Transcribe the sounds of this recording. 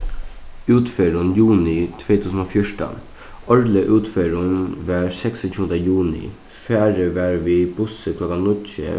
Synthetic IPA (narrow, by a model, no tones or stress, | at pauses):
ʉːt̪føːɾʊnjuːnɪt̪ʰʋeːt̪ʰʉːsn̩oːfjɔʂʈə̰n | ɔɹləʔʉːt̪feːɾʊnʋæːɾsɛksət͡ʃʰuːənd̪əjuːnɪ̰ | fæːɾəʋæːɾʋiːbʊsəkʰlɔkanʏtə̰